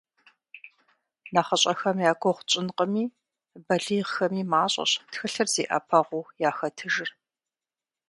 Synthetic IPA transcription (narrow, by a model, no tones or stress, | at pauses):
naχɐɕʼɐxɐmjaːɡʷʰɔχʷʊt͡ʃʼɪnqʼəmiː | bɐɮiːʁxɐmiːmaːɕʼɐ̰ɕtxɨɬɨrz̥eːʔɐ̰pʰɐʁʷʊːjaːxɐtʰɨʒɪr